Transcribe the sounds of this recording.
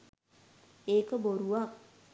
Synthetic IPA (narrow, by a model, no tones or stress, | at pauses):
eːkəboɾuʋa